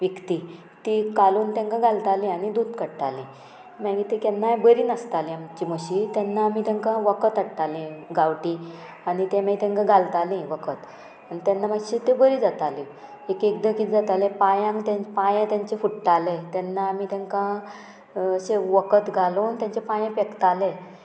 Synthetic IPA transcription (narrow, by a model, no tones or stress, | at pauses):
ʋekt̪i | t̪ikaluːnt̪ãŋkãɡʱalt̪alẽaɽ̃id̪uːd̪kəɽʈalẽ | maɡit̪ekɛnːajbəɾiːnəst̪alẽamt͡ɕiməɕiːt̪janːaːmit̪ãŋkãʋəkət̪əɽʈalẽɡawʈi | aɽit̪ẽmat̪ɛ̃ŋkãɡʱalt̪alẽʋəkʰət̪ | anit̪janːaməɡɕit̪ebəɾiːd͡zat̪alẽ | ekekd̪əkit̪d͡zat̪alẽpajãŋkt̪ãpajẽt̪jaɲt͡ɕefuʈːalet̪ɛnːaːmit̪ɛ̃ŋkã | əɕeʋəkət̪ɡʱaloːnt̪jãɲt͡ɕepãjãpekt̪alẽ